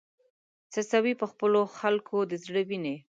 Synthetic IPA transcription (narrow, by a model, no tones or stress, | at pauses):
t͡səsawipəxpəloxalkʰod̪əzɽəwine